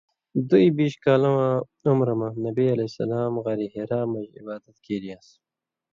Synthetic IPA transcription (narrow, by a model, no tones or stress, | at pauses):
d̪uibiːɕkaːlɐwã | umɾɐmãnɐbiɐlɐsɐ̰laːmɣɐɾiɦeɾaːmːɐʑḭbaːd̪ɐt̪kʰiːɾijaːs